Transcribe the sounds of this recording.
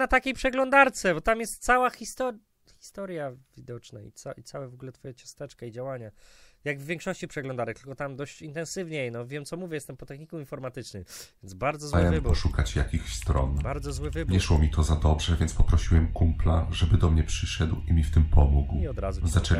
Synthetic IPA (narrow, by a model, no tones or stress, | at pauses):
nat̪akʲejpʂɛɡlɔnd̪aɾt̪sɛbɔt̪amjɛst̪sawaxʲist̪ɔ | xʲi̥st̪ɔɾjavʲid̪ɔt͡ʂnaḭt̪sait̪sawɛvɔɡulɛt̪fɔjɛt͡ɕɔst̪ɛt͡ʂkaid͡ʑawaɲajaɡvːʲjẽŋkʂɔɕt͡ɕipʂɛɡlɔnd̪aɾɛk̚t̪ɨlkɔt̪amd̪ɔɕt͡ɕint̪ɛ̃nsɘvɲejnɔvʲjɛmtsɔmuvʲjɛjɛst̪ɛmpɔt̪ɛxɲikuinfɔɾmat̪ɘt͡ʂnɘmvvʲɛnd̪zbaɾd̪zɔzawɛmvbɔʂukat͡ɕjakʲixst̪ɾɔ̰nbaɾd̪zɔzwɘvɘbɲɲɛʂwɔmʲit̪ʰɔzad̪ɔbʐɛvʲjɛnt̪pɔpɾɔɕiwɛmkumpla̰ʐɛbɘd̪ɔmɲɛpʂɘʂɛd̪wimʲift̪ɘmpʰɔmuɡwiɔd̪ɾazuzat͡ʂɛ